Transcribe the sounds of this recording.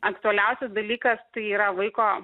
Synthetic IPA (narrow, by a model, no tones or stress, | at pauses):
ɐkt̪ʊɛlʲɛʊsʲɛsd̪ɐlʲiːkɐst̪ɐɪiːɾɐʋɐɪkoː